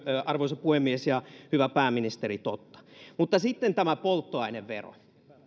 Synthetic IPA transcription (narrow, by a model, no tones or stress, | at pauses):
ɑrʋoiseppuhemːiesjɑhyʋæpæːmːinist̪eɾit̪ot̪ːɑ̥mut̪ːɑsit̪ːent̪æmæpolt̪ːoɑineʋʋḛro̰